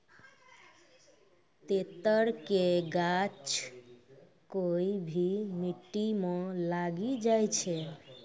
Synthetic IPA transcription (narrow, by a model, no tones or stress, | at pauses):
t̪et̪əɾkeɡat͡ʃ | koibʱimiʈːimɔ̃laɡid͡ʒajt͡ʃʰe